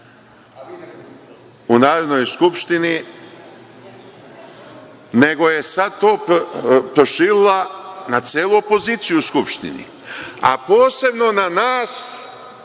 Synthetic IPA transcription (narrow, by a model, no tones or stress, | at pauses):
unaːɾod̪no̞jskupʃt̪ini | ne̞ɡo̞je̞sad̪̚t̪o̞ː | pɾoʃiːɾilˠanat̪sjeːlˠuopo̞ziːt̪sijuskupʃt̪ḭnḭ | a̰po̞ːse̞bno̞nanaːs